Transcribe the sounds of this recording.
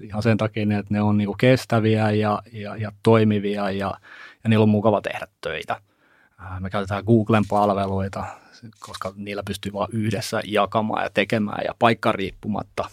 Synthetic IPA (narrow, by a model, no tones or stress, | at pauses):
ihɑnsent̪ɑkiːniet̪neonniːŋkukest̪æʋiæjɑjɑjɑt̪oimiʋiɑjɑjɑniːlːommukɑʋɑt̪ḛhɾæt̪tø̰it̪æː | mekæyt̪et̪æːɡuːɡ̥lempɑlʋeloit̪ɑkʰoskɑniːlːæpyst̪yʋɑːʔyhdesːæ̰jjɑkɑmɑ̰ːjɑ̰t̪ekemæ̰ːjɑ̰pɑikːɑriːpːumɑ̰t̪ːɑ